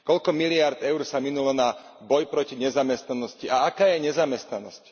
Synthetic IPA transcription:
kɔʎkɔmilɪaɾd̪ɛʊɾsaminulɔna | bɔjpɾɔciɲɛzamɛst̪nanɔsciaakaːjɛɲɛzamɛst̪nanɔsc

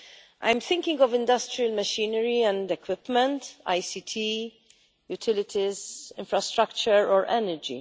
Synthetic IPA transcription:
ʔã̰jmθɪ̃ŋkɪ̃ŋɡɔvɪ̃nd̪ɐstɾiɐlmɐʃiːnəɾiɛ̃ndɛkwɪpmɛ̃nta̰jsit̪ʰi | jut̪ʰɪlɪt̪ʰizɪ̃ɱfɾɐst̪ɾɐkt͡ʃəɾɔːɾʔɛnɛɾd͡ʒḭ

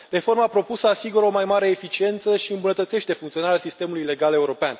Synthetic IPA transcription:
re̞fo̞rməapɾo̞pusəasiɡuɾəo̞majmaɾe̞ːfit͡ʃie̞nt̪səʃiɨmbunət̪ət̪se̞ʃt̪e̞fuŋkt̪sionaɾalsist̪e̞mulujle̞ɡale̞uɾo̞pean

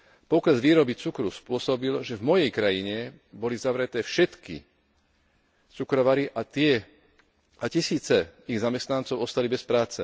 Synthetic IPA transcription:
pɔkɾɛzʋiːɾɔbit͡sukɾuspʊɔsɔbilʒɛvmɔjɛjkɾajiɲɛbɔlizaʋɾɛt̪ɛːfʃɛt̪kḭ | t͡sukɾɔʋaɾiʔat̪ɪɛ | acisiːt͡sɛiɣzamɛst̪nant͡sɔʊɔst̪alibɛspɾaːt͡sɛ̰

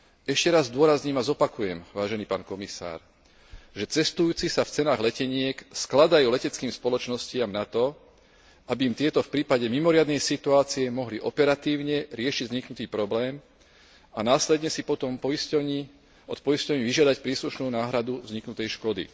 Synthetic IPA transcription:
ɛʃcɛɾazːd̪ʊɔɾazɲiːmazɔpakujɛmʋaːʒɛniːpaːnkɔmisa̰ːɾ | ʒɛt͡sɛst̪ujuːt͡sisaft͡sɛnaːɣlɛcɛɲɪɛksklad̪ajuːlɛcɛt͡skiːmspɔlɔt͡ʃnɔscɪamnat̪ɔ | abiːmt̪ɪɛt̪ɔfpɾiːpaɟɛmimɔɾɪad̪nɛjsit̪uaːt͡siɛmɔɦliʔɔpɛɾat̪iːʊɲɛɾɪɛʃiɟzɲiknut̪iːpɾɔblɛːm | anaːslɛd̪ɲɛsipɔt̪ɔmpɔisɔɲi | ɔt̪pɔjiscɔʊɲiːʋiʒɪad̪acpɾiːsluʃnuːnaːɦɾad̪uzɲiknut̪ɛjʃkɔd̪ḭ

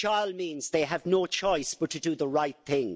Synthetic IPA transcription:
t͡ʃʰaɪlˠmĩːnzðeɪəvnoʊt͡ʃʰɔɪsb̥ʌtʰədəðəɹaɪt̪̚θɪ̃ŋ

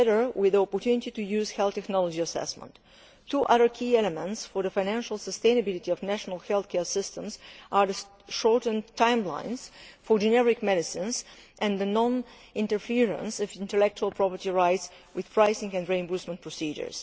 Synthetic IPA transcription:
ɛɾə˞wɪðiɔpɔɹtunititujuz̥hɛlˠtɛknɔlˠɔd͡ʒiasɛ̰smə̰̃nt | tuʔʌðə˞kʰiɛlɛmə̃ntsfɔɹðəfãjnæ̃nʃəlˠsəst̪ẽɪ̃nəbɪlitiɔvnæʃənəlˠhɛlˠθkʰɛɹsɪstə̃mzʔaɹðə | ʃɔɹtn̩tʰãɪ̃mlã̰ɪ̃nz̥fɔɹd͡ʒɛnɛɹɪkmɛɾɪsɪ̃nz | ʔɛ̃nd̪ənɔ̃n | ɪ̃ntəɹfiɹə̰̃nsɔvɪ̃ntəlɛk̚t͡ʃuəlˠpʰɹɔpəɹtiɹaɪts | wɪð̥pʰɹaɪsɪ̃ŋɨ̃ndɹĩmbusmə̃npʰɹ̥ɔsid͡ʒə̰˞s

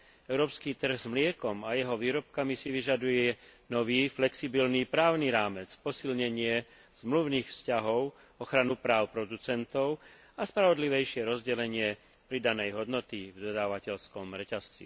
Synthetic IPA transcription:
ɛʊɾɔːpskiːt̪r̩ɣzmlɪɛkɔmajɛɦɔʋiːɾɔp̚kamisiʋiʒad̪ujɛnɔʋiːflɛksibilniːpɾaːʊniɾaːmɛt͡spɔsilɲɛɲɪɛ | z̥mluʊniːxfscaɦɔʊ | ɔxɾanupɾaːʊpɾɔd̪ut͡sɛnt̪ɔʊ | aspɾaʋɔd̪liʋɛjʃɪɛɾɔzɟɛlɛɲɪɛ | pɾid̪anɛjɦɔd̪nɔt̪ivd̪ɔd̪aːʋacɛʎskɔmɾɛcast͡sḭ

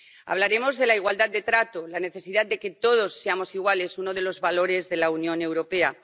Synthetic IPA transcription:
a̰β̞laɾe̞mo̞zðe̞laiɣwald̪at̪̚d̪e̞t̪ɾat̪olane̞θe̞siðad̪̚d̪e̞ke̞t̪o̞ð̞o̞sːe̞amo̞siɣwale̞suno̞ð̞e̞lo̞zβalo̞ɾe̞zðe̞launjõ̞ne̞wɾo̞pe̞a

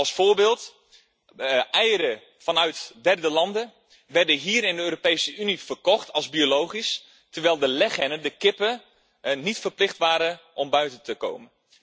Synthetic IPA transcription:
ɑlˠsfoːɹbɪːlˠt | ɛjəɾə | fɑnœɥtdɛrdəlɑndə | ʋɛrdəɦiːɾɪndəøːɾopejsəʔynifərkɔxtʰɑlˠzbiolowχis | təɹʋɛɪlˠdəlɛxɛnədəkɪpə | nitfəɹplɪxtʋaːɾəʔɔmbœɥtəntəko̰wmən

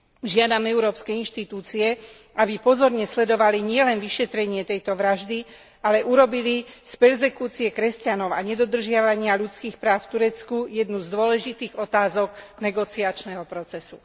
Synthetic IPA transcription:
ʒɪad̪amɛuɾɔːpskɛinʃt̪it̪uːt͡siɛabipɔzɔɾɲɛslɛd̪ɔʋaliɲɪɛlɛnʋiʃɛt̪ɾɛɲɪɛt̪ɛjt̪ɔʋɾaʒd̪i | alɛʔuɾɔbilispɛɾzɛkuːt͡siɛkɾɛscanɔʊaɲɛd̪ɔd̪r̩ʒɪaʋaɲɪaʎut͡skiːxpɾaːʊft̪uɾɛt͡skujɛd̪nuzd̪ʊɔlɛʒit̪iːɣɔt̪aːzɔɡnɛɡɔt͡siat͡ʃnɛɦɔpɾɔt͡sɛsu̥

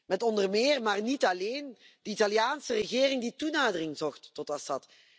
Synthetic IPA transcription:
mɛtɔndərmɪːrmaːrnitɑleːn | d̥əitɑljaːnsərəɣɪːrɪŋditunaːdərɪŋzɔxtːɔtɑsɑt

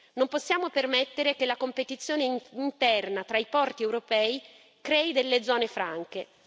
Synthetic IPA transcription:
nomposːjaːmopermet̪ːeɾekelakompet̪it̪sːjoːneint̪ɛrnat̪ɾaipɔrt̪iɛwɾopɛːi | kɾɛːid̪elːed̪zːɔːnefɾaŋke

